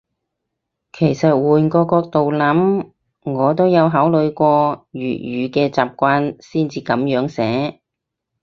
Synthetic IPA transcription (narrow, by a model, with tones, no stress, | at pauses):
kʰe˨˩jsɐ˨t̚wuː˨˩nkɔː˧kɔː˧k̚t̪o˨wlɐ˨˥m | ŋɔː˨˧t̪o˥wjɐ˨˧wɦaː˨˥wlɵ˨˧ɥkʷɔː˧ɥyː˨˩t̚jyː˨˧kɛː˧t͡saː˨p̚kʷaː˧nsiː˥nt͡siː˧kɐ˨˥mjœː˨˥ŋsɛː˨˥